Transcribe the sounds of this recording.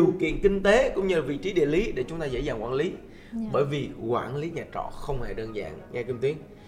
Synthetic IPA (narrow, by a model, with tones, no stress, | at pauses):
i˨˩əwkḭ˧˨ənkï˧ŋ̟t̪e˨˦kʊ̰˧˥ŋ͡mɲɨ˧lvḭ˧˨t͡ɕi˨˦ɗḭ˧˨əli˨˦ɗe˧˩t͡ɕʊ˨˦ŋ͡mt̪aː˧zḛ˧˥zaː˨˩ŋkwaː˧˥nli˨˦ | ɓəː˧˩jvi˨˩kwaː˧˩nli˨˦ɲaː˨˩t͡ɕɔ̰˧˨xə˧wŋ͡mhe˧˩ɗəː˧nza̰ː˧˨ŋŋɛ˧ki˧ŋt̪wi˨˦ən